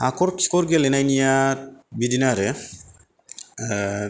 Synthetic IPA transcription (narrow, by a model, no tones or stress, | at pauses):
akɔɾskɔɾɡelenajnijabidinaɾɛ